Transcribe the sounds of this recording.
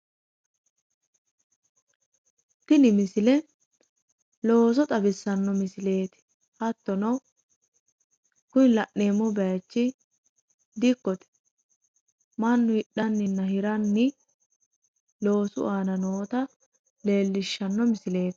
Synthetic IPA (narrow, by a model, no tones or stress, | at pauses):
t̪ɪnɪmɪsɪlɛ | lo̞ːs̬ɔt̪ʼɐbɪsːɐnːɔmɪsɪle̞ːt̪ɪ̥ | hɐt̪ːɔnɐw | kʊnlɐʔːe̞ːmːɔbɛat͡ʃːɪ | d̪ɪkːɔt̪ɛ̥ | mɐnːʊɪɗɐnːɪnːɐhɪɾɐnːɪ | lo̞ːsʊ̰ʔaːnɐnoːt̪ɐ | le̞ːlːɪʃːɐnːɔmɪsɪle̞ːt̪ɪ̥